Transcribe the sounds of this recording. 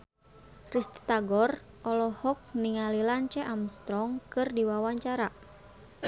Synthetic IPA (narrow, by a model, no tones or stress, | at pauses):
rist̪i̥t̪aɡɔr | ʔɔlɔhɔk̚niŋalilant͡ʃɛʔamst̪ɾɔŋkɨrdiwawaɲt͡ʃaɾa